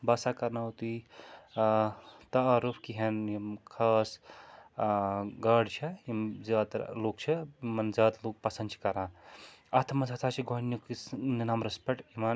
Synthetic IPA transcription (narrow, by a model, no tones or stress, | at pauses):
basakɐɾnat̪i | t̪ɐːɾupʰkiɦɐnikʰaːs | ɡɐɖt͡ʃʰeizaːt̪loːkt͡ʃʰemɐnzaːt̪luːk̚pɐsɐnd̪t͡ʃʰi̥kɐɾãːɐt̪ʰmɐnsʰat̪ʰaːt͡ʃʰiɡʱonjukninaːmɾɐspɐʈiman